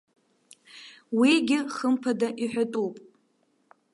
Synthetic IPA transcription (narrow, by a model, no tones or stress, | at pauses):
wiɡʲɪχəmpʰadaʔiħʷᶣatʼupʼ